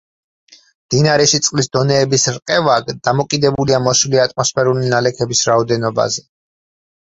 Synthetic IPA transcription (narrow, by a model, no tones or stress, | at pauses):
md̪̥inaɾɛʃit̪sʼqʼlisd̪ɔnɛːbisɾqʼɛvaɡd̪amɔkʼid̪ɛbuliamɔsuliat̪ʼmɔspʰɛɾulinalɛkʰɛbisɾaɔd̪ɛnɔba̰zɛ